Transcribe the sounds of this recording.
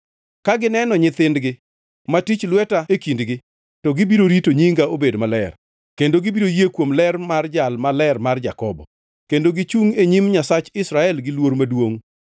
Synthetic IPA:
kaɡɪnɛnɔɲɪt̪ɪndɡɪ | matit͡ʃlwɛtaekindɡɪ | tɔɡɪbiɾoɾitoɲiŋɡaobedmalɛr | kendoɡɪbiɾojekwomlɛrmard͡ʒalmalɛrmard͡ʒakɔbɔ̰ | kendoɡɪt͡ʃuŋeɲimɲasat͡ʃɪsɾaɛlɡɪlwoɾmadwoŋ

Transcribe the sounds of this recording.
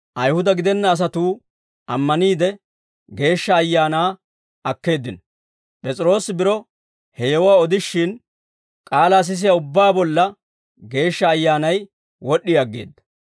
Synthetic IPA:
ʔɐjhʊd̪ɐɡɪd̪ɛnːɐːs̬ɐt̪uː | ʔɐmːɐniːd̪ɛ | ɡe̞ːʃːɐːjːaːnaː | ɐkːe̞ːd̪ːɪn | pʼɛt͡sʼɪɾo̞ːsɪbɪɾɔ | hɛjɛwwaːɔd̪ɪʃːɪn | kʼaːlaːs̬ɪs̬ɪjɐʊbːaːbɔlːɐ | ɡe̞ːʃːɐːjːaːnɐj | wɔɗːɪjɐɡːḛːd̪ːɐ̥

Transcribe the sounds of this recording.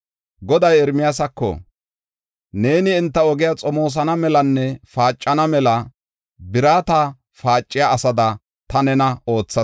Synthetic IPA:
ɡɔd̪ɐjɛɾmɪjas̬ɐkːɔ̰ | ne̞ːnɪːnt̪ːɐɔɡɪjat͡sʼɔmo̞ːs̬ɐnɐmɛlɐnːɛfaːt͡ʃʼːɐnɐmɛlɐ | bɪɾaːt̪ɐ | faːt͡ʃʼːɪjaːsɐd̪ɐ | t̪ɐnɛnɐo̞ːt͡sːɐ

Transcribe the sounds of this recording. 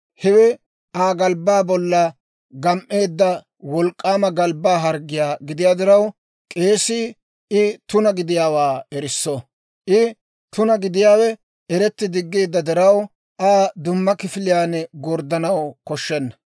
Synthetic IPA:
hɛwɛ | ʔaːɡɐlbːaːbɔlːɐ | ɡɐmʔe̞ːd̪ːɐ | wɔlkʼːaːmɐɡɐlbːaːɦɐɾɡːɪjaːɡɪd̪ɪjaːd̪ɛɾɐw | kʼe̞ːsiː | ɪt̪ʊnɐɡɪd̪ɪjaːwaːɛɾɪsːɔ | ʔɪ | t̪ʊnɐɡɪd̪ɪjaːwɛ | ɛɾɛt̪ːɪd̪ɪɡːe̞ːd̪ːɐd̪ɛɾɐw | ʔaːd̪ʊmːɐkɪfɪlɪjaːnɛɡɔɾd̪ɐnɐwkɔʃːɛnːɐ̥

